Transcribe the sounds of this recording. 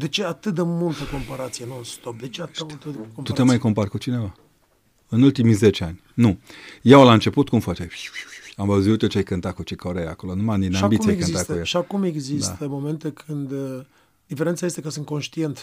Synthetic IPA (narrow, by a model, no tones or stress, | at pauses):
d̪e̞t͡ʃe̞at̪ɨt̪̚d̪e̞mult̪əko̞mpaɾat̪sijenuɨnst̪o̞p̚d̪e̞t͡ʃeat̪emult̪əkomt̪ut̪emajko̞mparkut͡ʃine̞va | ɨnult̪imize̞t͡ʃeanʲnujawlaɨnt͡ʃe̞put̪kumfat͡ʃe | amvəwziut̪ot͡ʃajkɨnt̪akut͡ʃikʰoɾejako̞lonumaninaaambikuiakɨnziat̪jʃiakume̞ɡzist̪əmo̞me̞nt̪e̞kʰɨnd̪ | d̪̥ifeɾent̪saje̞st̪e̞kəsɨnt̪̚konʃt̪ie̞nt̪